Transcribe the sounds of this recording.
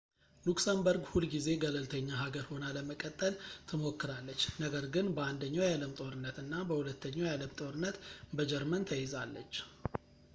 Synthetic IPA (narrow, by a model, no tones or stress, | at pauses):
luksambəɾɡhulɡize̞ɡələlt̪ʰəɲːaɦaɡəɾho̞naləməkʼət̪ʼːəlt̪ʰɨmo̞kːɨɾalːət͡ʃːnəɡəɾɡɨnbəand̪əɲːawjaləmt̪ʼo̞ɾɨnːət̪ɨnːabəhulət̪ʰːəɲːawjaləmt̪ʼo̞ɾɨnːət̪bəd͡ʒɛɾmənt̪ʰəjɪzalːə̰t͡ʃː